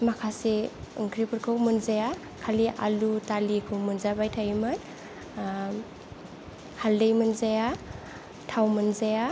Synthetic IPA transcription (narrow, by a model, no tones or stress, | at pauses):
makʰasiɯ̰ŋkʰɾipɯɾkʰɯwmɯnzaja | kʰaliʔa̰lutalikʰumɯnzabajtʰajmɯn | haldejmɯnzaja | tʰawmɯnzaja